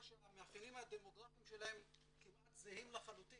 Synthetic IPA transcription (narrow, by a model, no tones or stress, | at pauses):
ameafinimad̪emoɡʁafiimʃelahe̞m | kimʔat̪zehimlaχalut̪i